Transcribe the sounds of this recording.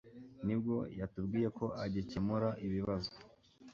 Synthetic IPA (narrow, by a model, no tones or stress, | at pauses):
nib̚ɡo̞jatubɡiːje̞ko̞ʔaɟicemuɾaʔiβiβazo̥